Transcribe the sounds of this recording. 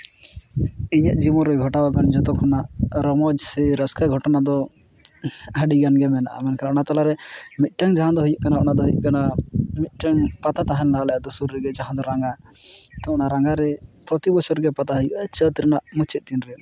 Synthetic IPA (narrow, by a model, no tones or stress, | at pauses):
iɲəʔ̚d͡ʒimɔɾɔjɡʱɔʈabakand͡ʒɔt̪ɔkʰɔnaʔɾɔmɔd͡ʒsɛɾəskaɡʱɔʈɔnad̪ɔ | əɖiɡanɡɛmɛnaʔa̰mɛnkanaʔɔnat̪alaɾɛmit̪̚ˀʈəŋd͡ʒaɦãd̪ɔɦujuʔkanaʔɔnad̪ɔɦujṵʔkanamit̪̚ˀʈəŋpat̪at̪aɦɛnlalajad̪usuɾːɛɡɛd͡ʒaɦãd̪ɔɾaŋɡat̪ɔɔnaɾaŋɡaɾɛpɾɔt̪ibɔsɔɾɡɛpat̪aɦujuʔat͡ʃət̪ɾɛnaʔmut͡ʃʰɛt̪̚t̪inɾɛ